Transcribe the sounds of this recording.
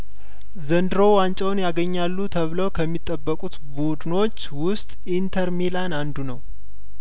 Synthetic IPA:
zənd̪ɨɾo̞want͡ʃʼɛwnjaɡəɲːalːut̪ʰəβləwkʰəmːit̪ʼːəbːəkʼut̪bud̪no̞t͡ʃːwʊst̪ʼʔint̪ʰəɾmilanand̪unəw

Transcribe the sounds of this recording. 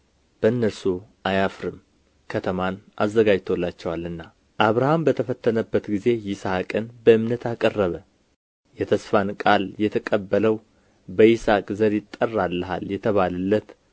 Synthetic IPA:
b̥əɨnːəɾsuʔajafɾɨm | kʰət̪ʰəmanʔazːəɡad͡ʒt̪ʰolːat͡ʃːɛwalɨnːa | ʔaβɾahambət̪ʰəfət̪ʰːənəbːət̪ɡize̞jɪsakʼɨnbəɨmnət̪ʰakʼərːəβə | jɛt̪ʰəsfankʼaljɛt̪ʰəkʼəbːələw | bəisakʼzəɾjɪt̪ʼːərːalːəɦa̰ljɛt̪ʰəβalɨlːət̪

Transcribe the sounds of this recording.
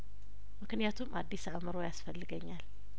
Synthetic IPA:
mɨknijat̪ʰumʔad̪ːisaβmɨɾojasfəlːɨɡəɲːal

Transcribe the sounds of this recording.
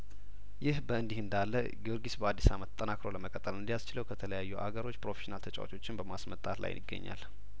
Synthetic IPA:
jɪhbəɨnd̪ihɨnd̪alːə | ɡioɾɡisbəad̪ːisamət̪ʼːənakɾo̞ləməkʼət̪ʼːəlɨnd̪ijast͡ʃɪləwkʰət̪ʰələjajːuʔa̰ɡəɾo̞t͡ʃːpɾo̞feʃinalt̪ʰət͡ʃʼawa̰t͡ʃʼo̞t͡ʃːɪnbəmasmət̪ʼat̪la̰jnɪɡːə̰ɲːa̰l

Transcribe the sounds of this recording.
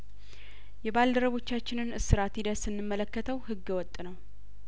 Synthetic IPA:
jɛbald̪əɾəβo̞t͡ʃːat͡ʃːɪnɨnɨsɨɾat̪ʰid̪əsɨnːɨmːələkːət̪ʰəwhɨɡːɛwɔt̪ʼːnəw

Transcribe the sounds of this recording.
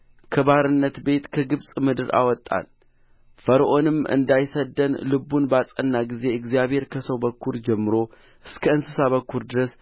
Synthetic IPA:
kʰəbaɾɨnːət̪be̞t̪kʰəɡɨβsʼmɨd̪ɨɾa̰wɔt̪ʼːa̰n | fəɾʔonɨmɨ̰nd̪ajsəd̪ːənlɨbunbasʼənːaɡize̞ɨɡzijaβhe̞ɾkʰəsəwbəkʰːuɾd͡ʒɛmːɨɾo̞ | ʔɨskʰəɨnsɨsaβəkʰːuɾd̪ɨɾəs

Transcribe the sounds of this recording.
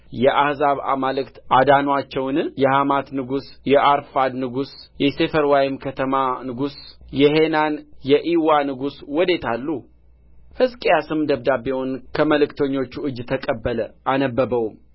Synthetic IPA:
jɛʔahzaβa̰malɨkt̪ʔad̪anwat͡ʃːɛwnɨjɛhamat̪nɨɡusjɛʔaɾfad̪nɨɡusjɛse̞fəɾwajɪmkʰət̪ʰəmanɨɡusjɛɦenanjɛʔiwanɨɡuswɔd̪e̞t̪ʰalːu | hɨskʼejasɨmd̪əβd̪abewonkʰəməlɨkt̪ʰəɲːo̞t͡ʃːuʔɨd͡ʒːt̪ʰəkʼəbːələʔanəbːəbəwm

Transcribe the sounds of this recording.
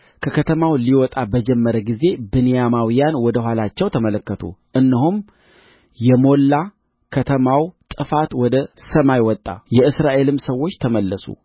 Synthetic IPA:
kʰəkʰət̪ʰəmawliwɔt̪ʼabəd͡ʒɛmːəɾəɡize̞bɨnijamawijanwɔd̪əɦʷwalat͡ʃːɛwt̪ʰəmələkːət̪ʰṵʔɨnːɨɦum | jɛmo̞lːa | kʰət̪ʰəmawt̪ʼɨfat̪wɔd̪əsəmajwɔt̪ʼːa̰jɛɨsɾaʔe̞lɨmsəwːo̞t͡ʃːt̪ʰəməlːəsṵ

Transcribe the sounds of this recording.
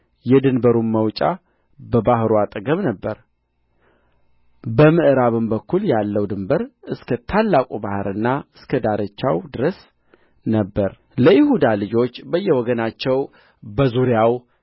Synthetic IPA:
jɛd̪ɨnbəɾumːəwt͡ʃʼa̰ | bəbahɾuat̪ʼəɡəmnəbːəɾ | bəmɨʔɾaβɨmbəkʰːuljalːəwd̪ɨmbəɾɨskʰət̪ʰalːakʼubahɨɾɨnːaɨskʰəd̪aɾət͡ʃːa̰wd̪ɨɾəs | nəbːəɾ | ləjɪhud̪alɨd͡ʒo̞t͡ʃːbəjːɛwɔɡənat͡ʃːɛw | bəzuɾjaw

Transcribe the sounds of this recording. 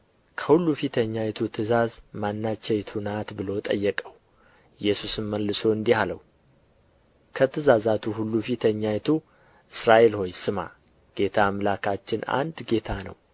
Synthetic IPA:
kʰəhulːufit̪ʰəɲːajɛt̪ʰut̪ʰɨzazmanːat͡ʃːɛjt̪ʰunat̪bɨlo̞t̪ʼə̰jːɛkʼəw | jɛsusɨmmːəlːɨso̞ɨnd̪ihaləw | kʰət̪ʰɨzazat̪ʰuhulːufit̪ʰəɲːajt̪ʰu | ʔɨsɾaʔe̞lho̞jsɨma̰ | ɡ̥e̞t̪ʰamlakʰat͡ʃːɪna̰nd̪ɡe̞t̪ʰanə̰w

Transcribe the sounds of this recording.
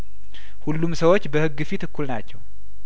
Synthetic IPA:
hulːumsəwo̞t͡ʃːbəhɨɡːɨfit̪ɨkʰːulnat͡ʃːɛw

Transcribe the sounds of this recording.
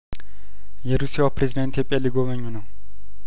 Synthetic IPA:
jɛɾusijapɾezid̪ant̪ʰjepʼijaliɡoməɲːunəw

